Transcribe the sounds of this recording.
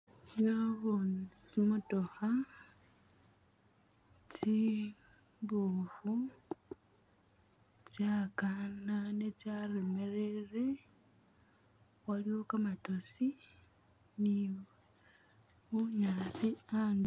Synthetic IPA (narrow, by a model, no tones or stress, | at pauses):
noβunimutoxa | t͡ʃi | βufu | t͡ʃakananet͡ʃaɾemeɾere | waliokamatosi | ni | uɲasiaŋ